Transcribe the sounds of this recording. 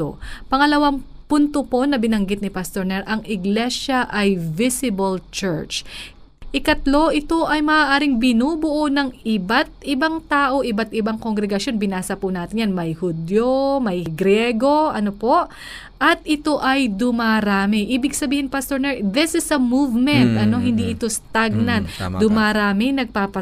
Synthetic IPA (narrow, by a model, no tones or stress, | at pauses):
o̰pɐŋɐlɐwaŋpunt̪opo̞nɐbɪnɐŋɡɪt̪̚nɪpɐst̪oɹnɛɹʔɐŋʔɪɡlɛʃɐʔɐjvɪsɪbɐlt͡ʃɛɹt͡ʃ | ʔɪkɐt̪lo̞ʔɪt̪o̞ʔɐjmɐʔaːʔaːɾɪŋbɪnuːbʊʔonɐŋɪbat̪̚ʔɪbaŋt̪aːʔo̞ʔɪbat̪ʔɪbaŋkoŋɡɾɛɡɐsjo̞nbɪnaːsɐpʊnaːt̪ɪɲjanmɐjhʊd̪jomɐjɡɾɛɡo̞ʔɐnopo̞ʔ | ʔɐt̪ʔɪt̪o̞ʔɐjd̪ʊmaɾaːmɪʔiːbɪɡsɐbiːhɪnpast̪oɹnɛðɪsɪsɐmuvmɛnt̪ɐno̞ɦɪnd̪iʔɪt̪o̞st̪aɡ̚nɐnd̪ʊmaːɾaːmɪnɐɡ̚paːpɐ